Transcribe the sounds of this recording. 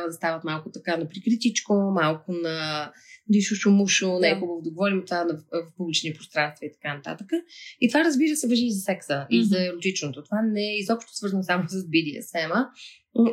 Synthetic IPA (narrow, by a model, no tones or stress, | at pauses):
t̪avəd̪ɐst̪avət̪malˠkʊt̪ɐkanɐpɾikɾit̪it͡ʃkomalˠkʊnɐ | liʃuʃʊmuʃonɛjxubəvod̪ɐɡovɔɾimot̪ovanɐvfpublit͡ʃniɛpɾost̪ɾanst̪vəit̪ɐ̥kanɐt̪a̰t̪əkəit̪ovaɾəzbiɾəsɛvɐʒiːzɐsɛksəʔizɐɛɾot̪it͡ʃnot̪ot̪ovanɛizɔpʃt̪osvəɾzənsamosɐzbid̪iə̰sxɛmə